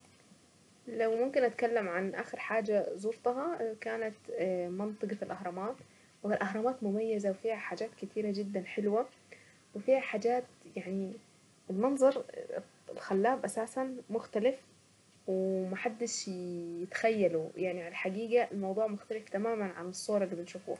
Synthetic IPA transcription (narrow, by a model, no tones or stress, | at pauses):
lawmʊmkɪnʔat̪kalːamʕanʔa̰ːxɪɾħaːd͡ʒazˤʊɾt̪ˤɑɦɑkaːnat̪mɑnt̪ˤɨɡfilʔahɾˤɑmaːt̪ | wɪlʔahɾˤɑmaːt̪mʊmajːazawfiːhaħaːd͡ʒaːt̪kɪt̪iːɾad͡ʒɪd̪ːanħɪlwa | wɪfiːhaħaːd͡ʒaːt̪jaʕni | ɪlmɑnzˤɑɾˤ | ɪlxalːaːbʔasaːsanmʊxt̪alɪf | wɪmaħad̪ːɪʃjɪt̪xajːalujaʕniʕalaħaɡiːɡaʔɪlmɑwd̪ˤuːʕmʊxt̪alɪft̪amaːmanʕa̰nɨsˤːoːɾˤɪlːibɪnʃuːfṵ